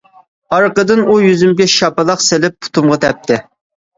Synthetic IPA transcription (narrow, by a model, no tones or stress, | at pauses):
ɑɾqəd̪ɨnujyzymɡʲɛʃɑpɨlˠɑqsɪlɪpːu̥t̪ʰumʁɑt̪ʰɛp̚t̪ʰɪ